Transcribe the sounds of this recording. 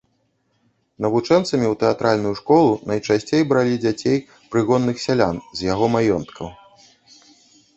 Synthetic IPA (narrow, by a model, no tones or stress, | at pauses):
nɐvut͡ʂɛnt̪sɐmʲiwt̪ɛat̪ɾalʲnujuʂkɔlˠunɐjt͡ʂasʲt͡sʲejbɾalʲid͡zʲat͡sʲej | pɾɨɣɔnːɨxsʲalʲanzʲjaɣɔmajɔnt̪kʰɐw